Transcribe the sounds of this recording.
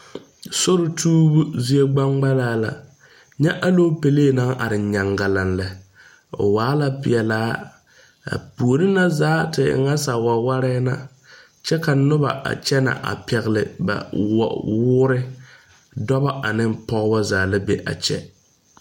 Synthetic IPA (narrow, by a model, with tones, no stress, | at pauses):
so˦ɾʊ˨tʰuː˦bu˦zi˦e˦ɡ͡ba˦ŋɡ͡ba˦laː˨˦la̰˨ | ɲɛ˦ʔa˦lo˦pe˨leː˦˨na˦ŋʔa̰˨ɾɪ˨ɲa˨ŋɡa˨la˨nlɛ˨ | ʊ̰˨waː˨˦la˦pɪ̰˨ɛ˨laː˦ | a̰˨pu˨o˨ɾɪ˦na˦zaː˨˦tɪ˨ɪ̰˨ŋa˦sa˨wa˨wa˦ɾɛ˦na̰˨ | t͡ʃɛ˦ka˨nʊ˦ba̰˨ʔa̰˨t͡ʃɛ˦na̰˨ʔa̰˨pɛ˨ɣlɪ̰˨ba̰˨wɔ̰˨wʊː˦ɾɪ˦ | dɔ˦ba˦ʔa˨nɪ˦mpɔ˦ɣbɔ˦zaː˨˦la˦be˨ʔa̰˨t͡ʃɛ̰˦